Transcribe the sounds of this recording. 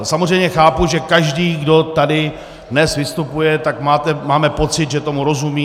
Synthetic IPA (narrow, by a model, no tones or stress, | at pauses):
samozrɛjmɲɛxaːpuʒɛkaʒdiːɡdo̞t̪adɪ | dnɛsvɪst̪upujɛt̪akmaːt̪ɛmaːmɛpo̞t͡sɪt̪ʒɛt̪o̞muɾo̞zumiː